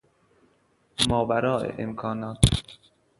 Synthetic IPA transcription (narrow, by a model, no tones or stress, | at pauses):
mɒːvæɾɒːʔḛʔemkʰɒːnɒːt̪ʰ